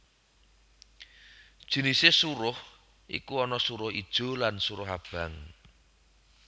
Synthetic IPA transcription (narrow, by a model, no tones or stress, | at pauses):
d̥ʒ̥i̤nisesuɾʊh | ʔḭkuɔnɔsuɾʊhid̥ʒ̥o̤lansuɾʊɦab̥ä̤ŋ